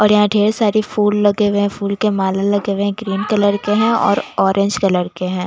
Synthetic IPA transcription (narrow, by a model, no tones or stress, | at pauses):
ɔːɾjɐɦãɖʱeːɾsaːɾifuːllɐɡeweɦɛ̃fuːlkemaːlalɐɡeːʋeɦɛ̃ɡɾiːnkɐləɾkeɦɛ̃ɔ̰ːɾɔːɾẽːɲd͡ʒkɐləɾkeɦɛ̃ː